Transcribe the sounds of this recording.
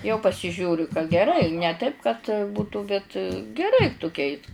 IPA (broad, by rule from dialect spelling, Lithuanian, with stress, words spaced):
jɛʊ pɐsʲɪˈʒʲuːrʲʊ kɐ ɡʲɛˈrɐɪ nʲɛ ˈtɐɪp kɐt ˈbuːtʊ bʲɛt ɡʲɛˈrɐɪ tʊˈkʲɛɪs